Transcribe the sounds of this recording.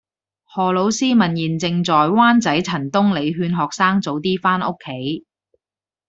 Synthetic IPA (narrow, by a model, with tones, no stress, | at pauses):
hɔː˨˩lo˨˥wsiː˥mɐ˨˩njiː˨˩nt͡sɪ˧ŋt͡sɔː˨jwaː˥nt͡sɐ˨˥jt͡sʰɐ˨˩nt̪ʊ˥ŋle˨˧jɦyː˧nɦɔː˨k̚saː˥ŋt͡so˨˥wt̪iː˥faː˥nʊ˥kʰːe˨˥j